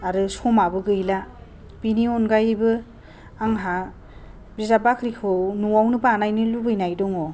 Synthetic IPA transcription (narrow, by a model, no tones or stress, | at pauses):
aɾɯsɔmabɯɡɯjla | b̥iniɔnɡajbɯ | aŋɦa | bizabakʰɾikʰɯwnuwawnɯbaanajnɯlubɯjnajdɔŋɔ